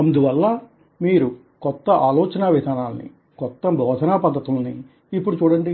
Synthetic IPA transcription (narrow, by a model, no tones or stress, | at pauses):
ɐnd̪uʋɐlːɐ | miːɾu | kɔt̪ːɐʔaːlɔːt͡ʃɐnaːʋid̪ʱaːnaːlnḭ | kɔt̪ːɐbʱɔːd̪ʱɐnaːpɐd̪ʱːɐt̪ulɐniː | pːuɽut͡ʃuːɽɐɳɖi